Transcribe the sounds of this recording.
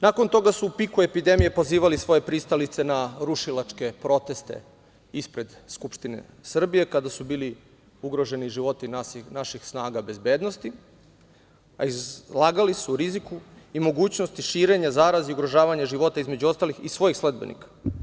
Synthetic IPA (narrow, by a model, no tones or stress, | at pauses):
nako̞nt̪o̞ɡasuːpikue̞pid̪e̞mije̞po̞ziːʋalisʋo̞je̞pɾist̪alit̪se̞naɾuʃilˠat͡ʂke̞pɾo̞t̪e̞st̪e̞̰ | ispɾe̞d̪skupʃt̪inḛsr̩bije̞kad̪asubiːli | uɡɾo̞ʒe̞niʒiʋo̞t̪inanaʃixsnaːɡabe̞zbe̞ːd̪no̞st̪i | aizlˠaːɡalisuɾizikuimo̞ɡuːt͡ɕno̞st̪iʃiːɾe̞ɲazaːɾaziuɡɾo̞ʒaːʋaɲaʒiʋo̞t̪aizmed͡ʑuo̞st̪alixisʋo̞jixsled̪̚benḭkḁ